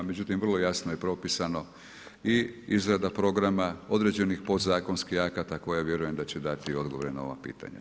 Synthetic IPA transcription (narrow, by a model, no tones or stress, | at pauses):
med͡ʑut̪imʋr̩lˠo̞jasnojepɾo̞pisano̞ | iizɾad̪apɾo̞ɡɾamao̞d̪ɾe̞d͡ʑenixpo̞d̪zaːko̞nskihakat̪ako̞jaʋje̞ɾuje̞md̪at͡ɕed̪at̪io̞d̪ɡoʋɾenao̞ʋa̰pḭːt̪a̰ɲa̰